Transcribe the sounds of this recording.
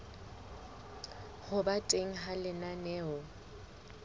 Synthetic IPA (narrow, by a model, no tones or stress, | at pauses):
hʊbatʼeŋ̩ɦalɪnanɛːɔ